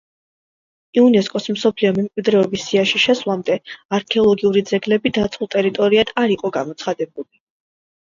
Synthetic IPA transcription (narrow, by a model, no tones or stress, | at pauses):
iunɛskʼɔsmsɔpʰliɔmɛmkʼwid̪ɾɛɔbisːiaʃiʃɛsvlˠamd̪ɛaɾkʰɛɔlˠɔɡiuɾid̪zɛɡlɛbid̪at̪sʰχulˠt̪ʼɛɾit̪ʼɔɾiad̪̥aɾiqʼɔɡamɔt̪sʰχad̪ɛbuli